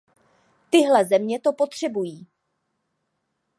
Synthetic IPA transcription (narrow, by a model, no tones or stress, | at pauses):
t̪ɪɦlɛzɛmɲɛt̪o̞po̞t̪r̝̥ɛbujiː